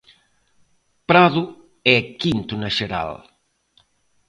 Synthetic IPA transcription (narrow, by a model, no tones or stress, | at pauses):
pɾaðu | ɛkint̪unɐʃeɾa̰l